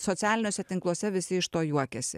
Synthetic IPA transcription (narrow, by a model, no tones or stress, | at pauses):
sɔt̪ʲæːlʲɪnʲoːsʲɛt̪ʲɪŋklˠuɔsʲɛʋʲɪsʲɪɪʃt̪oːjuɔkʲɛsʲɪ̰